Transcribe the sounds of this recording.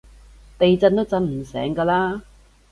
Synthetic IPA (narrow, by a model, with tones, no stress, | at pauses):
t̪e˨jt͡sɐ˧nt̪o˥wt͡sɐ˧nm̩˨˩sɛ̰ː˨˥ŋkaː˧laː˥